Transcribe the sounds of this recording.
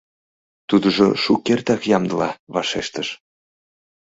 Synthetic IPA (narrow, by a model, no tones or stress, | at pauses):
t̪ud̪əʒo̰ʃukert̪ɑkjɑmd̪əlɑβɑʃeʃt̪əʃ